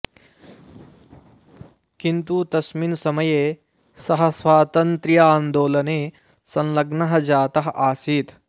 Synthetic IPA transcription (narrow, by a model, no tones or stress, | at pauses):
kint̪ut̪ɐsminsɐmɐjeː | sɐɦɐ̆sʋaːt̪ɐnt̪ɾjaːnd̪oːlɐneː | sɐ̃nlɐɡnɐɦɐ̆d͡ʒaːt̪ɐɦɐʔaːsiːt̪